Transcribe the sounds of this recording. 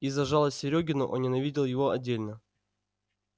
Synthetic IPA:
izɐʐalˠəsʲɪɾʲoɡʲɪnʊʔo̰nnʲɪnɐvʲidʲɪlˠjɪvo̞ɐdʲːelʲnə

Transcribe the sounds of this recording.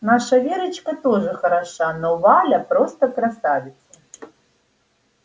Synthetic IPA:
naʂɐvʲeɾɐt͡ʃkɐt̪ɔʐɨxɐɾaʂanɔvalʲɐpɾɔst̪ɐkɾasavʲɪt̪sɐ

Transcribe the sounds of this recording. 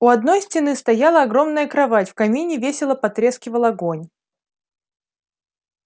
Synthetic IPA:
ʊɐd̪no̞jsʲtʲɪnɨst̪ɐjalˠəɐɡɾo̞mnəjəkɾɐvatʲfkɐmʲinʲɪvʲesʲɪlˠəpɐt̪ɾʲe̞skʲɪvəlˠɐɡo̞nʲ

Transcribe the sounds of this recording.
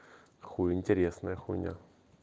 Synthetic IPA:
xuɪnʲtʲɪɾʲesnəjəxunʲa̰

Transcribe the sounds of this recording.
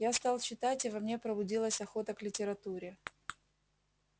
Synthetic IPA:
jast̪ɑlˠt͡ɕɪt̪atʲɪvɐmnʲe̞pɾəbʊdʲilˠəsʲɐxo̞t̪əklʲɪtʲɪɾɐt̪uɾʲɪ

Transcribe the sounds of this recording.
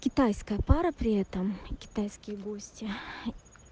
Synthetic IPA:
kʲɪt̪ajskəjəpaɾəpɾʲɪɛt̪əmkʲɪ̥t̪ajskʲɪjɡosʲtʲɪ

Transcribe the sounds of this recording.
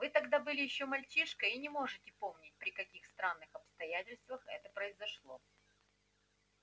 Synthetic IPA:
vɨt̪ɐɡd̪abɨlʲɪjɪɕːo̞mɐlʲt͡ɕiʂkəinʲɪmo̞ʐɨtʲɪpo̞mnʲɪt̚ʲpɾʲɪkɐkʲixst̪ɾanːɨxɐpst̪ɐjætʲɪlʲst̪vəxɛ̰t̪əpɾəɪzɐʂlˠo̞̰

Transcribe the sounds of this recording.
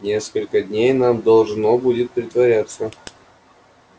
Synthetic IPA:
nʲeskəlʲkədʲnʲejnamd̪ɐlˠʐnobudʲɪt̪̚pɾʲɪt̪vɐɾʲat̪sə

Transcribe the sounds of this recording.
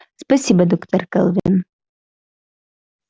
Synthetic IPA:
spɐsʲibɐd̪ɔkt̪ʰɐrkɐlˠvḛn

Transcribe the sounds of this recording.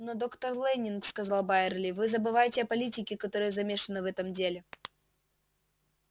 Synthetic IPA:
nəd̪o̞kt̪ərlˠɛnʲːɪnkskɐzɑlˠbaɪrlʲɪvɨzəbɨvajɪtʲɪɐpɐlʲitʲɪkʲɪkɐt̪o̞ɾɨjəzɐmʲeʂɨnːɨvɛt̪əmdʲelʲɪ

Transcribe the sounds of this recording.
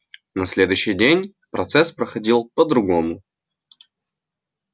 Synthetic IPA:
nɐsʲlʲe̞d̪ʊjɕːɪjdʲenʲ | pɾɐt̪sɛspɾəxɐdʲilˠpəd̪ɾʊɡomʊ

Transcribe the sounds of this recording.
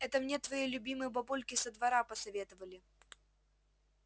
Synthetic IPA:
ɛt̪əmnʲe̞t̪vɐjejlʲʊbʲimɨjəbɐpulʲkʲɪsəd̪vɐɾapəsɐvʲet̪ɨvəlʲɪ

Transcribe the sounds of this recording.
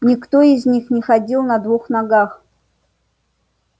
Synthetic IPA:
nʲɪkt̪oizʲnʲixnʲɪxɐdʲilˠnɐd̪vuxnɐɡax

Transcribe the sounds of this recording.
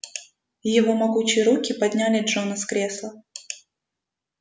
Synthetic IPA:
jɪvo̞mɐɡut͡ɕɪjəɾukʲɪpɐd̪ʲnʲælʲɪdʐonəskɾʲeslˠə

